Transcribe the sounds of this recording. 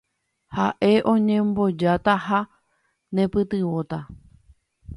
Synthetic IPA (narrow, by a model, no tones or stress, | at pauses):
haʔe̞ʔõ̞ɲẽ̞mbo̞d͡ʒat̪aha | nẽ̞pɨt̪ɨwo̞t̪a